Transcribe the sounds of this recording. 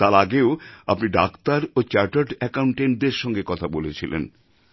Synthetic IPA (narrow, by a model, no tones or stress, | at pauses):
t̪aɾaɡeoa̰pniɖakt̪aɾot͡ɕaɾʈaʈɛkawɳʈen̚d̪eɾʃɔŋɡekɔt̪ʰabolet͡ɕʰilḛn